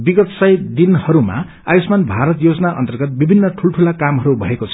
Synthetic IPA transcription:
biɡʌt̪sʌjd̪inhʌɾuma̰ | a̰jismanbʱaɾʌt̪jod͡zʌnaʔʌ̰nt̪ʌrɡʌt̪̚bibʱinːʌʈʰulʈʰulakamɦʌɾubʱʌekot͡sʰʌ

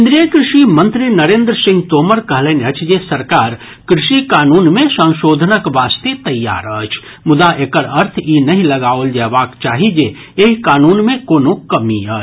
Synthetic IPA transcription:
ɪnd̪ɾiəkɾɪʃimɐ̃nt̪ɾinɐɾẽːnd̪ɾəsɪ̃ŋɡt̪oːməɾkɐɦleːnɐt͡ʃʰd͡ʒesɐɾkaːɾ | kɾɪʃikaːnuːnmẽsə̃ŋ̃ʃoːd̪ʱənəkʋaːst̪et̪ɐjːa̰ːɾəːt͡ʃʰ | mʊd̪aʔeːkəɾɐɾt̪ʰiːnɐɦĩlɐɡaːold͡ʒɛːʋaːkt͡ʃaːɦid͡ʒeː | ekaːnuːnmẽkoːnokɐmiəːt͡ʃʰ

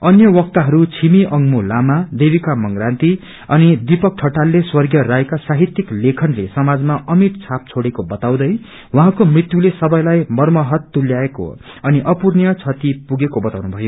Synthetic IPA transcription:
ʌnjʌwʌk̚t̪aɦʌɾut͡sʰimiʔʌŋmulamad̪ebikamʌŋɡrant̪i | ʌnid̪ipʌk̚ʈʰʌʈalːeswʌrɡjʌɾajkasaɦit̪jiklekʰʌnlesʌmad͡zmaʔʌmiʈ̚t͡sʰap̚t͡sʰoɽekobʌt̪aw̃d̪ʌj | wʌɦãkomrit̪julesʌbʌjlajmʌrmʌɦʌt̪ːuljaeko̰ | ʌniʔʌpurnjʌt͡sʰʌt̪ipuɡekobʌt̪awnubʱʌjo

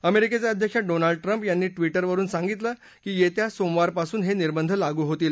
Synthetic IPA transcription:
əmeɾiket͡sjaəd̪ʱjəkʂaɖonaɭɖ̚ʈɾəmpjanːiːʈʋiʈəɾʋəɾuːnsãŋɡit̪lə | kiːjet̪jasomʋaɾpasuːnɦeniɾbənd̪ʱəlaɡuːɦot̪iːl

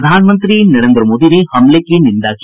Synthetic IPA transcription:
d̪ʱaːnɐmɐnt̪ɾinɐɾend̪ɾɐmoːd̪iɾehɐmlekːenind̪aːk

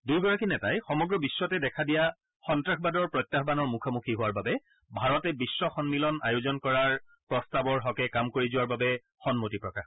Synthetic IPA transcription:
duɹɡɔɹakinɛtajxɔmɔɡɹɔbisːɔtɛdɛkʰadija | xɔntɹakʰbadɔɹpɹɔjtːaxbanɔɹmukʰamukʰiɦʊwaɹbabɛ | bʱaɹɔtɛbisːɔxɔnmilɔna̰jʊzɔnkɔɹaɹ | pɹɔstabɔɹɦɔkɛkamkoɹizʊwaɹbabɛ | xɔnmotipɹɔkax

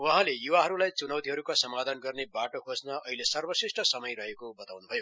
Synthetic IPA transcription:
wʌ̃ɦãlejuwaɦʌɾulajt͡sunʌwt̪iɦʌɾukasʌmad̪ʱʌnɡʌrnebaʈokʰosnʌʔʌɦilesʌrbʌsisʈʌsʌmʌjrʌɦekobʌt̪awnubʱʌjo

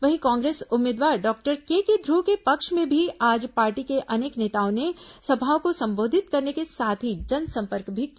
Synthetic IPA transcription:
ʋɐɦĩkãːŋɡɾeːsʊmeːd̪ʋaːɾɖɔːk̚ʈəɾkeːked̪ʱɾukepɐkʃmẽbʱiaːd͡ʒpaːɾʈikeʔɐneːkneːt̪aːõnesɐbʱaːokosɐ̃mboːd̪ʱɪt̪̚kɐɾnekesaːt̪ʰid͡ʒɐnsɐ̃mpəɾkbʱik

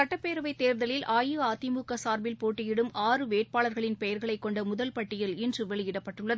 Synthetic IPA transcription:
sɐʈːɐpːeːɾɐʋɐɪt̪ːeːɾðɐlɪlʔaːjɯaːt̪ːɪmukːɐsaːɾbɪlpoːʈːɪjɪɽɯmaːrɯʋeːʈ̚paːɭɐɾɣɐɭɪnpɛjɐɾɣɐɭɐɪkːɔɳɖɐmʊðɐlpɐʈːɪjɐlɪndrɯʋɛɭɪjɪɽɐpːɐʈːɯɭːɐðɯ

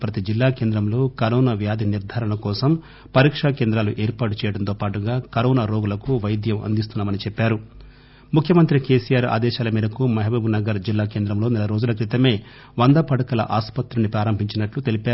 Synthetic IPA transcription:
pɾɐt̪id͡ʒilːaːkeːnd̪ɾɐmlo̞ːkɐɾɔːnaʋjaːd̪ʱiniɾd̪ʱaːɾɐɳɐkɔːsɐm | pɐɾiːkʂake̞ːnd̪ɾaːluʔeːɾpaːʈut͡ʃɛːjɐɽɐnt̪oːpaːʈuɡaːkɐɾɔːnaɾoːɡulɐkuʋɐjd̪jɐmʔɐ̰nd̪ist̪unːaːmɐnit͡ʃɛpːaːɾu | mukʰjɐmɐnt̪ɾikeːsijaːɾa̰ːd̪ɛːʃaːlɐmiːd̪ɐkumɐɦɐbɐbunɐɡɐɾd͡ʒilːaːkeːnd̪ɾɐmlo̞ːnɛlɐɾo̞ːd͡ʒulɐkɾit̪ɐme̞ː | ʋɐnd̪ɐpɐɽɐkɐlɐ̰ʔaːspɐt̪ɾunipɾaːɾɐmbʱiɲt͡ʃinɐʈlut̪e̞lipaː

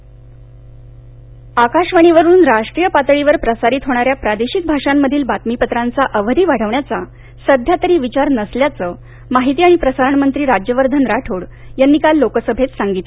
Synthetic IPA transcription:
akaʂʋaɽ̃iʋəɾuːnɾaʂʈɾiːjəpat̪ɭiʋəɾpɾəsaɾit̪ɦoɽ̃aɾjapɾad̪eɕik̪̚bʱaʂamːəd̪ʱiːlbat̪mipət̪ɾant͡saʔəʋəɾiːʋaɽ̤əʋɳjat͡sa | səd̪ʱjat̪əɾiːʋit͡ɕaɾnəsljat͡səː | maɦit̪iːaɽ̃ipɾəsaɾəɳmənt̪ɾiːɾad͡ʑjəʋəɾd̪ʱənɾaʈʰoɽ | janːiːkalːokəsəbʱet̪saŋɡit̪

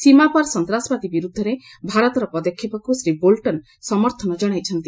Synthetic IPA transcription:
simapaɾsɔnt̪ɾasbad̪ibiɾud̪ʱːɔɾe | bʱaɾɔt̪ɔɾɔpɾɔd̪ɔkʰːjipɔkusɾibolʈɔn | sɔmɔɾt̪ʰɔnɔd͡ʒɔɽ̃ajt͡ʃʰɔnt̪i

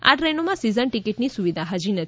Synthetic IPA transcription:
a̰ʈɾenomãsizənʈikiʈnisuʋid̪ʱaɦad͡ʒinət̪

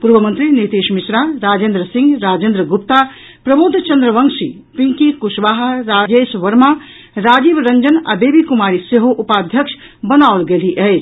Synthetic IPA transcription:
puɾʋəmə̃nt̪ɾinit̪eʃmisɾaɾaːd͡ʒeːnd̪ɾəsĩŋɡɾaːd͡ʒẽːnd̪ɾəɡup̚t̪a | pɾɐbud̪ʱt͡ʃɐnd̪ɾəʋəŋsi | piŋkikusʋaːɦɾaːd͡ʒesʋɐɾmã | ɾaːd͡ʒibɾəɲd͡ʒəna̰beːbikumaːɾiseɦoʔupaːd̪ʱjəkʂʰ | bənaolɡeliʔə

